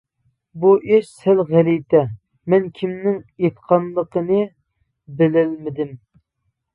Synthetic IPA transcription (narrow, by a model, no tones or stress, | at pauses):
buʔeʃsælʁælijt̪ʰɛ | mɛnkʲʰimnɪŋet̪qʰɑnlˠəqənɨ | bɪlɪlmɪd̪ɪm